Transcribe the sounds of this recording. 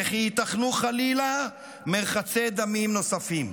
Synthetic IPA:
eχiit̪aχnuχalila | meʁχat͡sed̪amimno̞safim

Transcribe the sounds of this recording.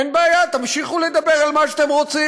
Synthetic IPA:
nbaaːjat̪amʃiχuled̪abeʁalmaʃat̪emʁot͡si

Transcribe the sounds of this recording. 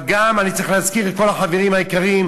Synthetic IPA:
ɡamanit͡sɐʁiχlehazkiʁet̪̚ko̞laħaveʁimhaikaʁim

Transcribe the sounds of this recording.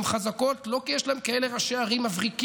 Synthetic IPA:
mχazako̞tlo̞kijeʃlaemkaele̞ʁaʃeaʁimːavʁik

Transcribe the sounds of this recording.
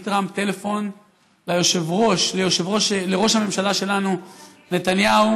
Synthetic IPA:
t̪ʁampt̪e̞le̞fo̞n | lajo̞ʃe̞vʁo̞ʃlejoʃevʁoʃleʁo̞ʃhame̞mʃalaʃe̞lanu | ne̞t̪anjau

